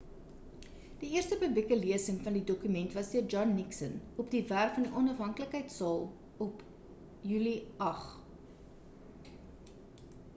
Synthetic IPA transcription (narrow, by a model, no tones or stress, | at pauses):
d̥iiərstəpɵblikəliəsəŋfɐndidɔkymɛntvɐsdiərd͡ʒɔnːiksənɔpdiværkfɐndiʔɔnɐfɦɐŋkələkɦəjtsɑːlˠ | ɔp | jyliɐχ